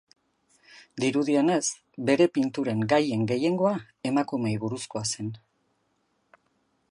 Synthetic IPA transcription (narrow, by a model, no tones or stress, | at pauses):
d̪iɾuðiane̞s | be̞ɾe̞pint̪uɾe̞ŋɡaje̞ŋɡe̞je̞ŋɡo̞a | e̞makume̞jβuɾusko̞ase̞n